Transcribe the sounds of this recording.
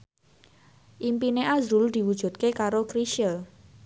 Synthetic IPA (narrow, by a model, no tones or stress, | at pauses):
ʔimpineʔazɾuld̪̥i̤wud̥ʒ̥ṳt̪̚kekaɾokɾiʃəl